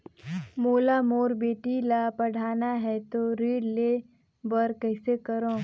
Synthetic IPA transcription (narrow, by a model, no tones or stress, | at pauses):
moːlamoːɾbeːʈilapɐɽ̤ʱaːnaɦɛt̪oɾeːɽle | bəɾkɐɪsekɐɾõː